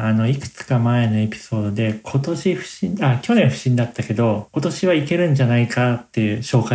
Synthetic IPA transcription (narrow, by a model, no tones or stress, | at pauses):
ano̞ikɯ̟̥t͡sɨ̥kamae̞no̞e̞pʲi̥so̞ːd̪o̞d̪e̞kʰo̞t̪o̞ɕiɸɯ̟̥ɕĩakʲo̞nẽ̞ɰ̃ɸɯ̟̥ɕĩnd̪at̪ːake̞d̪o̞ko̞t̪o̞ɕiβ̞aike̞ɾɯ̟̃ɲ̟d͡ʑanaikat̪ːe̞ɯ̟ɕo̞ːka